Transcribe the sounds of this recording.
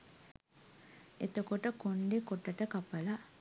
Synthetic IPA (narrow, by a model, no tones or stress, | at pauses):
et̪ɐkoʈəkoɳɖekoʈːɐʈɐkɐpɐlɐ